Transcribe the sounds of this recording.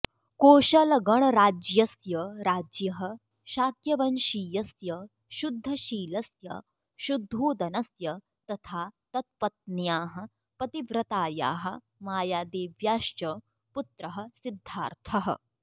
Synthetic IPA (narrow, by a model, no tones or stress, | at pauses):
koːʃɐlɐɡɐɳɐɾaːd͡ʒjɐsjɐɾaːd͡ʒjɐɦɐ̆ | ʃaːkjɐʋɐnʃiːjɐsjɐ | ʃud̪ʱːɐʃiːlɐsjɐ̰ | ʃud̪ʱːoːd̪ɐnɐsjɐ | t̪ɐt̪ʰaːt̪ɐt̪̚pɐt̪̚njaːɦɐ̆ | pɐt̪iʋɾɐt̪aːja̰ːɦɐ̆ | maːjaːd̪eːʋjaːʃt͡ʃɐ | put̪ɾɐɦɐ̆sid̪ʱːaːɾt̪ʰɐɦɐ̰